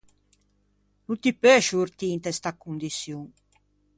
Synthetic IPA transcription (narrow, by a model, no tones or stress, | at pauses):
nut̪ipɛʃuuɾt̪int̪ɛst̪akːund̪isjuŋ